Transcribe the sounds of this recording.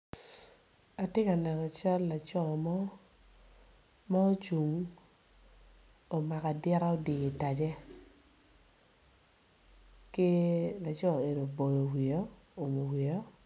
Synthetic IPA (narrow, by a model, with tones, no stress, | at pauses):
a˨tɪ˦ka˨nɛ˨nɔ˨t͡ʃa˦lːa˨t͡ʃɔ˦˨mɔ˦ | ma˦o˦t͡ʃu˨ŋ | o˨ma˨ka˨dɪ˦ɾa˦o˦dɪ˨e˨ta˨d͡ʒɛ˦ | kɪ˦la˨t͡ʃɔ˦˨e˨no˨bo˨jo˨wi˨o˦ | o˨mo˨wi˨jɔ˦